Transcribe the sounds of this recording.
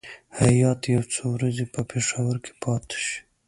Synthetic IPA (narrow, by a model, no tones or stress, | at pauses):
hajɑt̪jawt͡sowɾazepəpeʂawaɾkʰe̥pʰɑːt̪ʃi̥